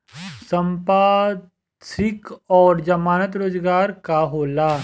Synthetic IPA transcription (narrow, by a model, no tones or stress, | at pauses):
sɐ̃mpaː | sɪkɔːɾd͡ʒɐmaːnət̪ɾoːd͡ʒɡaːɾkaɦoːlaː